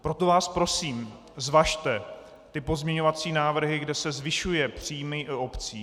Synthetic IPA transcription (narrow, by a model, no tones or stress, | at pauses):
pɾo̞t̪o̞vaːspɾo̞siːm | zvaʃt̪ɛ | t̪ɪpo̞zmɲɛɲo̞vat͡siːnaːvr̩ɦɪɡdɛsɛzvɪʃujɛpr̥iːmɪʔo̞pt͡siː